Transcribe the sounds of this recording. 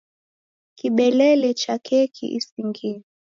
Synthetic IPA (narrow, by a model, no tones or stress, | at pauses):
kiɓɛlɛlɛt͡ʃakʰɛkʰḭʔḭsiŋɡi